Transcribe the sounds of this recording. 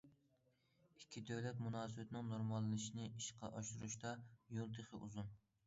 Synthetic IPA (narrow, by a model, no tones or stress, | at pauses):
ikʲʰːid̪ɛwlɛt̪munɑːsɨbɛt̪ʰɪnɪŋnoɾmɑlˠːɨnɨʃinɪiʃqʰɑ̰ʔɑʃuɾuʃt̪ɑjolˠt̪ʰeχɪ̰ʔṵzun